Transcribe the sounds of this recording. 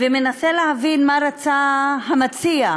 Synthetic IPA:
veme̞naseleɦavinmaɾat͡saɦamat͡sia

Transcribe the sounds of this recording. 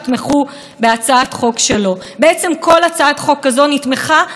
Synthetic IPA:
tmeχu | be̞at͡saat̪χo̞kʃe̞lo̞ | be̞et͡se̞mko̞lat͡saatχo̞kːazo̞nitmeχa

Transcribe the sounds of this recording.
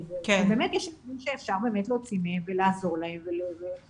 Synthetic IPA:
zekbeːmetjɛʃamimʃeːfʃaʁbe̞ːmetlo̞ːt͡simmvelaːzo̞ʁlaemveleve

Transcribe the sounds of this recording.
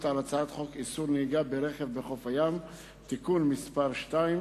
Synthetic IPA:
t̪alat͡saat̪χo̞kisuɾneiɡabeɾeχevbeχo̞fajam | t̪ikunmispaʁʃtaim

